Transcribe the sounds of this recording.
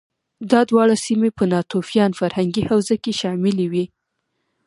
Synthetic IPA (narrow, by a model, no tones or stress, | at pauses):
d̪ɑd̪wɑɽasimepənɑt̪ofjɑnfaɾhaŋɡihawzakeʃɑmɪlewi